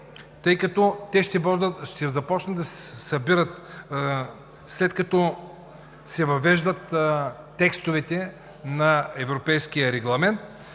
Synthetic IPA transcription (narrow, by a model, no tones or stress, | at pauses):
t̪ɤjkɐt̪ɔt̪ɛʃt̪ɛb̪ʃt̪ɛzɐpɔt͡ʃnət̪d̪ɐsɛsɐbiɾət̪̚ | slɛt̪kɐt̪ɔ | sɛvɐvɛʒd̪ət̪ː | ɛkst̪ovɛt̪ɛ | nɐɛvɾopɛjskijəɾɛɡlˠɐmɛnt̪̚